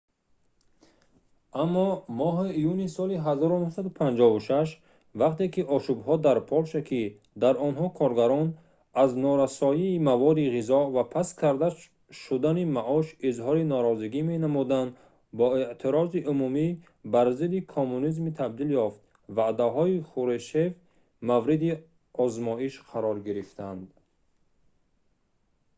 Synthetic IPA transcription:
amːɔmɔɦiːjunisɔliɦazɔɾunuhsad̪upʰand͡ʒɔvuʃaʃ̬ | vaqt̪e̞kiʔɔʃubhɔd̪aɾpʰɔlʃakʰi | d̪aɾɔnɦɔkʰɔɾɡaɾɔn | aznɔɾasɔjiːmavɔd̪iʁizɔvapʰaskʰaɾd̪a | ʃud̪animaʔɔʃizɦɔɾinɔɾɔziɡimenamud̪an | bɔeʔt̪ʰiɾɔziʔumumi | baɾzid̪ikʰomːunizmit̪ʰab̚d̪iljɔft̪̚ | vad̪aɦɔiχuɾeʃev | mavɾid̪i | ɔzmɔiʃqʰaɾɔɾɡiɾift̪ʰand̪

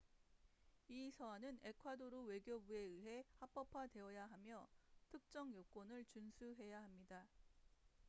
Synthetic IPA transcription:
isʰʌanɯne̞kʰwadoɾowe̞ɡjobue̞ɯɦe̞hap͈ʌpʰwade̞ʌjaɦamjʌtʰɯk̚t͡ɕ͈ʌŋjok͈onɯɭt͡ɕunsʰuɦe̞jaɦamɲida

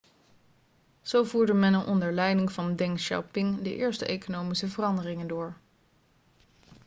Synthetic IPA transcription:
z̥owvuːɹdəmɛnənʔɔndəɹlɛjdɪŋvɑndɛŋʃɔ̰pɪŋdəʔɪːɹstəejkonowmisəvərɑndərɪŋəndʊːɹ

